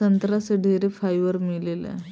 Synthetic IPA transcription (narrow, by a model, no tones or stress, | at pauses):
ənt̪ɾasəɖʱeɾefajʋəɾmilelḛ